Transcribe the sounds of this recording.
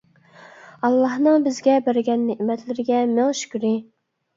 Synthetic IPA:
ɑlˠːɑhnɨŋbɪzɡʲɛbæɾɡʲɛnːeʔmɛt̪lɪɾɪɡʲɛmɪlʃy̥kʲɾɪ

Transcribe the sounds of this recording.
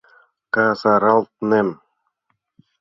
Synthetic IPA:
kaːsaɾalˠt̪̚nem

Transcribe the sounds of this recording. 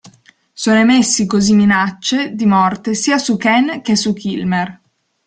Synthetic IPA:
soːnomesːikozimːinat͡ʃːed̪imɔrt̪esiːasukɛnk̟esukilmer

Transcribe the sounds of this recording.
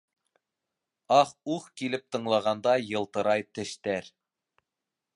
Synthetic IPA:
ɑχuχkilɘp̚t̪ɤ̆ɴlˠɑʁɑnd̪ɑjɤ̆lˠt̪ɤ̆ɾɑjt̪ɘ̆ʃt̪æɾ

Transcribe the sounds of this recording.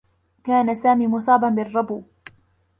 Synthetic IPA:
kaːnasaːmiːmʊsˤɑːbanbɪrˤːɑbuː

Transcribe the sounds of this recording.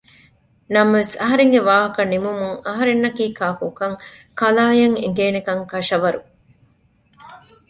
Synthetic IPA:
nɐmɐʋesɐɦɐɾeŋɡeʋaːɦɐkɐnimumuŋɐɦɐɾenːɐkiːkaːkukɐŋkɐlaːjɐŋḛɡeːnekɐŋkɐʃɐʋɐɾu

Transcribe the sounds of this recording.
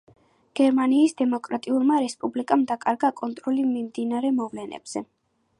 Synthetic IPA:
ɡ̥ɛɾmaniːsd̪ɛmɔkʼɾat̪ʼiulˠmaɾɛspʼublikʼamd̪akʼaɾɡakʼɔnt̪ʼɾɔlimimd̪inaɾɛmɔvlɛnɛ̰b̥z̥ɛ

